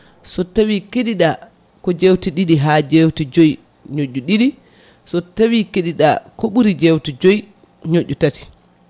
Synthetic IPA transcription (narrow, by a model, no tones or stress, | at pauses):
sɔtawikeɗiɗa | kɔd͡ʒewtiɗiɗiɦad͡ʒewtid͡ʒoj | ɲoʔːuɗiɗi | sɔtawikeɗiɗa̰kɔɓuɾid͡ʒewtid͡ʒoj | ɲoʔːutati̥